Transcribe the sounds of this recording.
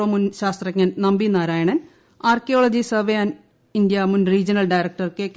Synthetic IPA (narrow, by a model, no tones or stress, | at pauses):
omunɕaːst̪rɐkŋːɐnnɐmbinaːɾaːjɐɳɐn | aːrkijoːɭɐd͡ʑisɐʋejaːn | ind̪jɐmunriːd͡ʑɐnɐlɖɐjɾɐk̚ʈɐrkekː